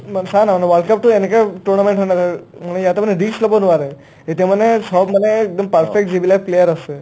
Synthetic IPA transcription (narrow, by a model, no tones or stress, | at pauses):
mənsanaməneʋəlɖkəp̚t̪uenekaʈuɾnamẽɳʈɦonaɾamənejat̪eməneɾiksləbonuʋaɾe | et̪emənesɔbməneːk̚d̪əmpəɾfek̚ʈ̚d͡ʒibilakplejəɾəse